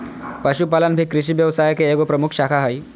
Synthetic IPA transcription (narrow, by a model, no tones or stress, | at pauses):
pəʃupalənbʱikɾiʃiʋjəʋsajkeeɡopɾəmukʰʃakʰaɦəj